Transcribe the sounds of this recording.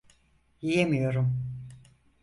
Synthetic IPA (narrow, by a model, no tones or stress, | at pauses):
jijemijo̞ɾum